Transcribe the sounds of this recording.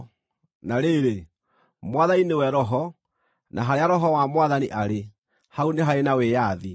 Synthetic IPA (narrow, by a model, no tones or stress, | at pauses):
naɾeɾe | mwaðainewɛɾɔɦɔ | nʔaɦaɾeaɾɔɦɔwamwaðaniʔaɾe | hauneɦaɾenawejaði